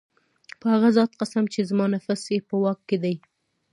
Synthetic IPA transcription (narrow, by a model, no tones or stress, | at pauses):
pəhaɣazɑt̪qasamt͡ʃezmɑnafasjepəwɑkːed̪aj